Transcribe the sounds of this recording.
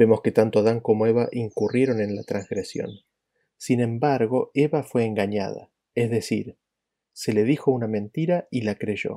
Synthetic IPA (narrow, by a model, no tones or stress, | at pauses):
be̞mo̞ske̞t̪ant̪o̞aðaŋko̞moe̞βaʔiŋkurʔje̞ɾo̞nẽ̞nlat̪ɾanzɣɾesjo̰n | sinẽ̞mbaɾɣo̞eβafwe̞ːŋɡaɲa̰ða̰ | ezðe̞sḭɾ | se̞le̞ðixo̞unamẽ̞nt̪iɾailakɾe̞ʒo̞̰